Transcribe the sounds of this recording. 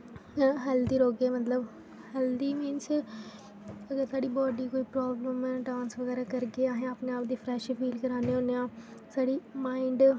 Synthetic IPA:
ɦɛːld̪iːɾoːɡeːmət̪ləb | hɛːld̪iːmĩːnt͡ʃ | əɡəɾsaːɖiːbɔːɖiːkoːiːpɾɔːbləmɛːɖãːnsʋəɡɛːɾaːkəɾɡeːaːɦẽaːpneaːp̚d̪iːpʰɾɛːʃfʰiːlkəɾaːneːɦõːneãːsaːɽiːmaːɪ̃ɳɖ

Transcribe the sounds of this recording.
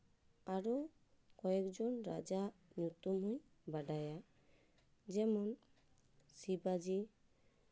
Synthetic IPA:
aɾo | kɔɛkd͡ʒɔnɾa̰d͡ʒanut̪umɦuɲ | baɖaja | d͡ʒɛmɔn | sibad͡ʒi

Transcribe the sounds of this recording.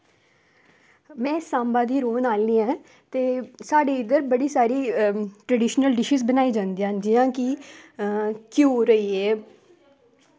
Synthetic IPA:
mɛ̃ːsãːmbaːd̪iːɾoːnaːlniːãː | t̪eːsaːɖeːɪd̪əɾbəɽiːsaːɾiːʈɾəɖɪːʃnəlɖɪʃizbənaːiːd͡ʒãːnd̪iːãːd͡ʒɪjãːkɪ | kjoːɾəiːeː

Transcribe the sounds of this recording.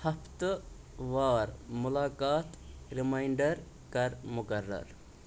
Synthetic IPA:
hɐft̪ | ʋaːɾmʊlaːkaːt̪ɾimajɳɖɐɾ | kɐɾmʊkɐɾːɐ̰ɾ

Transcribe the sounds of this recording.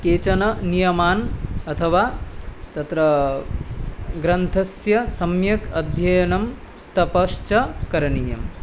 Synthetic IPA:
keːt͡ʃɐnɐnijɐmaːnɐt̪ʰɐʋaːt̪ɐt̪ɾɐ | ɡɾɐnt̪ʰɐsjɐsɐmjɐkɐd̪ʱjɐjɐnɐm | t̪ɐpɐst͡ʃɐkɐɾɐniːjɐm

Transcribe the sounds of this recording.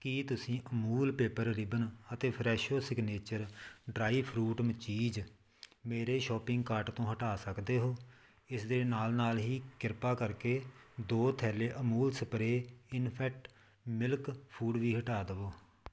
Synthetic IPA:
kiːt̪ʊsĩːʔəmuːlpeːpəɾɾɪbənət̪eːpʰɾɛːʃoːsɪɡneːt͡ʃəɾɖɾaːiːpʰɾuːʈmət͡ʃiːd͡ʒ | meːɾeːʃɔːpɪ̃ŋɡkaːɾʈt̪õːɦəʈaːsəkd̪eːɦoː | ɪsd̪eːnaːlnaːlɦiːkɪɾpaːkəɾkeːd̪oːt̪ʰɛːleːʔəmuːlsəpɾeːɪnpʰɛːk̚ʈ | mɪlkpʰuːɖʋiːɦəʈaːd̪əʋoː

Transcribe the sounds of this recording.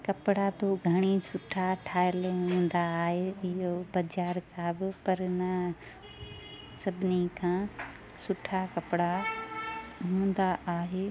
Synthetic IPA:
kɐpɽat̪oɡʱɐɽ̃isʊʈʰaʈʰaːɪəlɦũːnd̪aːɦeɪɦobɐd͡ʑaːɾkʰãbɪpɐɾnɐ | sɐbʱɪnikʰãː | sʊʈʰakɐpɽa | ɦũːn̆d̪aaːɦeː

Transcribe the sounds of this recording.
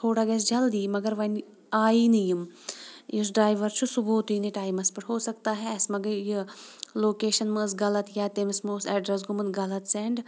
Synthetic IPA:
t̪ʰoːɽaːɡɐsd͡ʒɐld̪iːmɐɡɐɾʋɐn | aːiːnɐjɐm | ɪs̬ɖɾaːjʋɐɾt͡ʃʰusuboːt̪iːniʈaːjmɐspɐʈɦoːsɐkt̪aːɦɛɐsmɐɡɐjiloːkeːʃɐnməːsɡɐlɐt̪jaːt̪emsmoːsɛːɖɾɐs̬ɡʊmɐnɡɐlɐt̪sɛɳɖ

